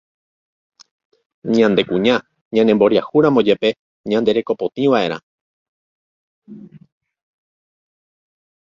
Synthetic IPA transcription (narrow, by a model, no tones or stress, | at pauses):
ɲãnd̪e̞kũɲã | ɲãnembo̞ɾjahuɾãmõd͡ʒepe̞ | ɲãnd̪e̞ɾe̞ko̞po̞t̪ĩʋaʔe̞ɾ̃ã̰